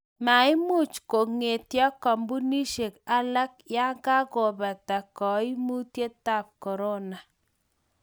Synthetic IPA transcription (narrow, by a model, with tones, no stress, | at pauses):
ma˨ɪ˦mu˦˨t͡ʃko˨ŋe˨tja˦kɔ˨mbu˦ni˦ʃe˨ka˦la˦k̚ja˦ŋɡa˦ko˨ba˨ta˨kɔ˨i˦mu˦tje˦ta˦˨p̚kɔ˨ɾo˦na˨